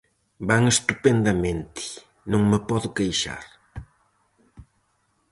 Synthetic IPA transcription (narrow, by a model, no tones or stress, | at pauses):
baŋest̪upend̪ɐmẽnt̪ɪ̥ | nõŋmepɔðʊkejʃa̰ɾ